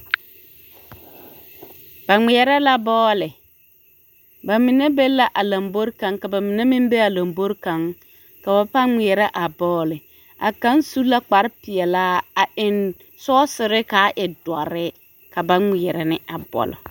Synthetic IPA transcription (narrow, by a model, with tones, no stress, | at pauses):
ba˨ŋ͡mi˨ɛ˨ɾɛ˦la˦bɔː˦lɪ˨ | ba˨mɪ˨ne˦be˦la˦ʔa˨la˨mbo˦ɾka˨˦ŋka˨ba˨mɪ˨ne˦mɪ̃˦m˦be˦a˨la˨mbo˦ɾka˨˦ŋ | ka˨ba˨pa˦ŋi˨ɛ˨ɾɛ˦ʔa˨bɔː˦lɪ˨ | a˨ka˦nsu˦la˦k͡pa˨˦ɾɪ˦pɪ˨ɛ˨laː˦a˨ɪ˨n | sɔː˦sɪ˨ɾɪ˦ka˨˦ʔɪ˨dwa̰˨ɾɪ˦ | ka˨ba˦ŋ͡mi˨ɛ˨ɾɛ˨nɪ˦a˨bɔ̰˨lɔ̰˨